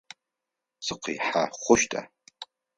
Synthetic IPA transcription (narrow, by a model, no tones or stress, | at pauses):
t͡sʰɨqʰḭħaχʷʊʃtʼa̰